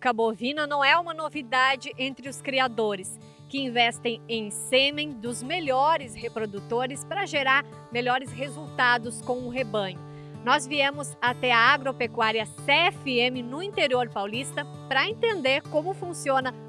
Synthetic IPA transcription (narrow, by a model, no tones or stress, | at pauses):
kabovĩnɐnɐ̃w̃ɛũmɐnovid̪ad͡ʒɪʔẽnt̪ɾɪʊskɾiad̪oɾɪs | kɪĩvɛst̪ẽj̃ẽj̃sẽmẽj̃d̪ʊzmeʎɔɾɪshepɾod̪ut̪oɾɪspɾɐʒeɾaɾ | melɔɾɪsɦezuwt̪ad̪ʊskõw̃ʊɦebɐ̃ɲʊ | nɔzviẽmʊzat̪ɛɐaɡɾopekwaɾiɐseɛfɪẽmɪnʊĩt̪eɾioɾpawlist̪ɐ | pɾɐẽnt̪ẽnd̪eɾkõmʊfũsiõnɐ